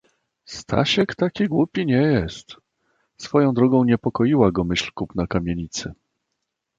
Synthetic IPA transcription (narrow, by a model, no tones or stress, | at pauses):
st̪ʰa̰ɕɛkt̪akʲiɡwupʲiɲɛjɛst̪ | sfɔjɔ̃w̃d̪ɾɔɡɔ̃w̃ɲɛpɔkɔjiwaɡɔmɘɕlkupnakamʲjeɲit̪sɘ